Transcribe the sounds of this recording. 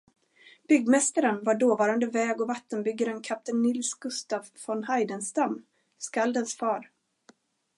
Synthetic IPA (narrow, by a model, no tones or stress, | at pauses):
b̥ʏɡːmɛst̪aɾənvaɖoːvɑːɾand̪əvɛːɡɔvat̪ːənbʏɡːaɾənkʰap̚t̪ɛnːɪlsɡ̥ɵst̪avfɔnhajd̪ənst̪amː | skald̪ənsfɑːɾ